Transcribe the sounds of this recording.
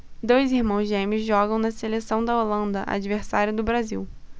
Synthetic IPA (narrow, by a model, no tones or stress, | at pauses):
d̪ojzihmɐ̃w̃zʒẽmizʒɔɡɐ̃w̃nɐselesɐ̃w̃d̪ɐolɐ̃nd̪ɐʔa̰d͡ʒiveɾsaɾjʊd̪ʊbɾaziw